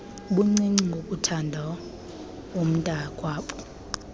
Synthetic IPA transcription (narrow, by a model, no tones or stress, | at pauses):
ɓuŋ͡ǀiŋ͡ǀiŋɡʱok̬ʼutʰandʱa | om̩tʼakʼwaːɓɔ̥